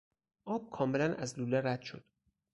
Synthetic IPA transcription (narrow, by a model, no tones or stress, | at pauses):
ʔɒːb̥̚kʰɒːme̞lænʔæzluːleɾæd̪̥ʃod̪̥